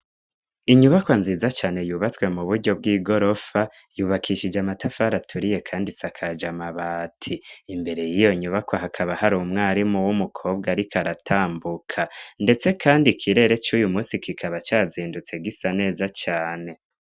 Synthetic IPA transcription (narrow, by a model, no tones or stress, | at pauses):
iɲuβakwanziːzat͡ʃaːne̞juːβat͡swe̞muβuɾɟo̞b̚ɡiːɡo̞ɾo̞fa | juːβakʰiʃid͡ʒamatafaɾatʰuɾije̞kʰaːndisakʰad͡ʒamaβaːtʰiːmbe̞ɾe̞jijo̞ɲuβakwoɦakʰaβahaɾuːmŋaːɾimuwumukʰo̞ːb̚ɡaɾikaɾatʰaːmbukʰande̞t͡se̞kʰaːndikʰiɾe̞ɾe̞t͡ʃuːjumuːsikʰikʰaβat͡ʃaːziːndut͡se̞ɡisane̞ːzat͡ʃaːne̞